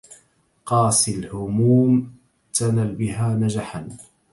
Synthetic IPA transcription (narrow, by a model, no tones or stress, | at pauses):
qɑːsɪlhʊmuːm | t̪analbɪɦaːnad͡ʒaħan